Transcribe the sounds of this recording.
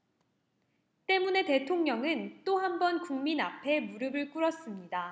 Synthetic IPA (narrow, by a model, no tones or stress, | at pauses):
t͈e̞mune̞te̞tʰoŋɲʌŋɯnt͈ohambʌnkuŋminapʰe̞muɾɯbɯɭk͈uɾʌs͈ɯmɲida